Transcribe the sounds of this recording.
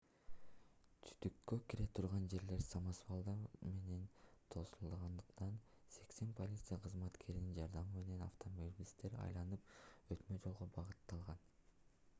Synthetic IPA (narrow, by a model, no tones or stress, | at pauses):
t̪ʰy̥t̪ykːøkiɾe̞t̪ʰuɾʁɑnd͡ʒe̞ɾle̞ɾsamasvalˠd̪ame̞ne̞nt̪ʰo̞sulˠʁɑnd̪ɯqt̪ɑn | se̞kse̞npʰo̞lʲit̪sɨjaqʰɯzmɑt̪kʰe̞ɾinind͡ʒɑɾd̪ɑmɯme̞ne̞nɑ̰ft̪omobʲlʲist̪e̞ɾɑ̰jlˠɑnɯpøt̪mød͡ʒo̞lˠʁobɑʁɯt̪ːɑlˠʁɑn